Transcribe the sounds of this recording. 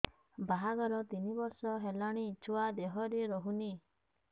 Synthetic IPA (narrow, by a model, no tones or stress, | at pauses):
baɦaɡɔɾɔt̪inibɔɾsɔɦelaɽ̃iːt͡ʃʰuwad̪eɦɔɾiɾɔɦuni